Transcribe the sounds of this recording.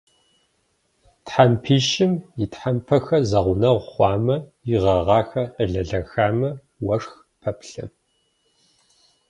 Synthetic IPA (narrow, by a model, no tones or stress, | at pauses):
tħampʰiːʃɪmjɪtħampʰɐxɐzɐʁʷʊnɐʁʷχʷɑːmɐɪʁɐʁɑːxɐʔəɮɐɮɐxaːmɐ | wɐʂx | pʰɐpʰɬɐ̰